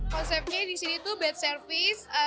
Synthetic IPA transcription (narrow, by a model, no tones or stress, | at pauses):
kɔnsɛp̚ɲadisinit̪ubɛt̪̚sərfɪsə